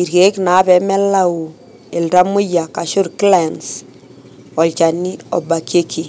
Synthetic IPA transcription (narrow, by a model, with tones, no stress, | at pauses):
i˨ɾɣe˨˦kna˨˦βɛ˨mɛ˦la˦u˨ | e˨lɾa˦mʊ˦ja˨ka˨ʃo˦ɾkla˨ns | ɔ˨lt͡ʃa˨ni˦ɔ̰˨ba˨kje˦ki˨